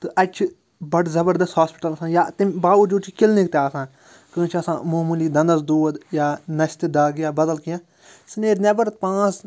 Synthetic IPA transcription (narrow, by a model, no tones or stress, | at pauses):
t̪ɨʔɐt͡ʃʰ | bɐɖzɐbəɾd̪ɐshaːspɪ̥ʈɐlɐsãːjaːt̪imbaːud͡ʒut͡ʃʰikɪlnikt̪eaːsãː | kə̃ːt͡ʃʰɐsãːmoːmuliːd̪ɐ̃nd̪ɐsd̪uːd̪jaːnɐʃt̪id̪aːɡjaːbɐd̪əlkijãː | sneːɾnebɐɾt̪̚pãːs